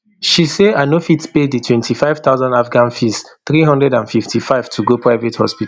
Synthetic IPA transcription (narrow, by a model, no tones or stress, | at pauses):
ʃiseanofitpeditʰwɛ̃ntʰifaɪvt̪aʊzãndafɡãnfisθɹiɦɔ̃ndɹɛdãnfiftʰifaɪv̥tʰuɡopʰɹaɪvethɔ̰spita